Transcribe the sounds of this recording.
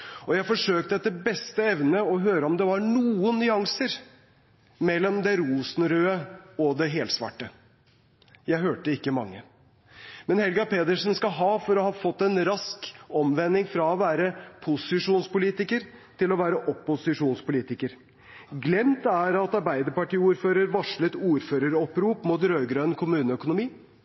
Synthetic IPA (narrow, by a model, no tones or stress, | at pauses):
ɔjæɪfɔʂøːkt̪əɛt̪ːəbɛst̪əɛʋnəɔɦøːɾəɔmd̪ɛʋɑɳuːənːʏɑŋsəɾ | mɛlːɔmd̪ɛɾuːsn̩ɾøːəɔd̪ɛɦeːlsʋɑ̰ʈːə | jæɪɦøːʈəɪkːəmɑ̰ŋːə | mɛnhɛlɡɑpeːd̪əʂnskɑɦɑːfɔɾɔhɑːfɔt̪ːɛnɾɑskɔmʋɛnːɪŋfɾɑɔʋæːɾəpʰʊsɪʂuːnspʊliːt̪ɪkəɾt̪ʰɪlɔʋæːɾəʔɔpːʊsɪʂuːnspʊliːt̪ɪkəɾ | ɡlɛmt̪æɾɑt̪ɑɾbæɪd̪əɾpɑʈiːuːɾføːɾəɾʋɑʂlət̪uːɾføːɾəɾɔpɾuːpmuːt̪ɾøːɡɾœnkʰʊmʉːnəœkʊnʊmiː